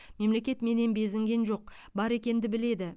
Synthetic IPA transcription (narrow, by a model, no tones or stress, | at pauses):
me̞mle̞kʲe̞t̪me̞ne̞nbe̞zɪŋɡʲe̞nʒo̞q̚ | bɑɾe̞kʲe̞nd̪ɪbɪle̞d̪ɪ